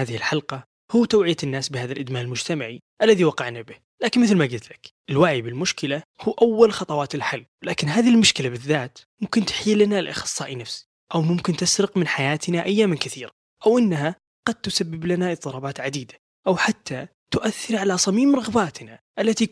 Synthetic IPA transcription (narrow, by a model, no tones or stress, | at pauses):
aːðɪhɪlħɑlqɑ | huːt̪awʕɪjaɪnːaːsbɪhaːðalʔɪd̪maːʔɪlmʊd͡ʒt̪amaʕi | ʔalːaðiwɑqɑʕnabɪh | laːkɪnmɪθlmaɡɪlt̪lakʔɪlwaʕibɪlmʊʃkɪlahuːʔawːalxɑt̪ˤɑwɑːt̪ɪlħɪlːlaːkɪnɦaːðɪilmʊʃkɪlabɪðːaːt̪mʊmkɪnt̪ɪ̥ħiːlːɪnalʔɑ̰xɑsˤːɑːʔinafs | ʔawmʊmkɪnt̪ɪsɾɪqmɪnħajaːt̪naʔajːaːmnkɪθiːɾa | ʔawʔɪnːaɦa | ɡ̥ɑd̪̚t̪ʊsabːɪblanaʔɨt̪ˤːɨɾˤɑːbɑːt̪ʕad̪iːd̪ḁ | ʔawħat̪ːa | t̪ʊʔaθːɪɾʕalasˤɑmiːmɾˤɑɣbaːt̪naʔalːat̪i